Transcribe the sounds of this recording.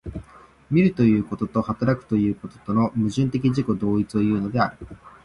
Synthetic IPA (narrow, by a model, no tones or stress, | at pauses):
mʲiɾɯ̟t̪o̞jɯ̟ːko̞t̪o̞t̪o̞hat̪aɾakɯ̟̥t̪o̞jɯ̟ːko̞t̪o̞̥t̪o̞no̞mɯ̟ʑɨ̃nt̪e̞k̬ʲiʑiko̞d̪o̞ːit͡sɨo̞jɯ̟ːno̞d̪e̞aɾɯ̟